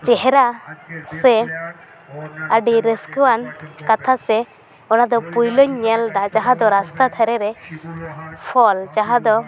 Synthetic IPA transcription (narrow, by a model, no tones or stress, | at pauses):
t͡ʃɛɦɛɾasɛ | əɖiɾəskəwankat̪ʰasɛ | ɔnad̪ɔpujlɔɲːɛld̪at͡ʃaɦãd̪ɔɾast̪at̪ʰəɾɛɾɛ | pʰɔlt͡ʃaɦãd̪ɔ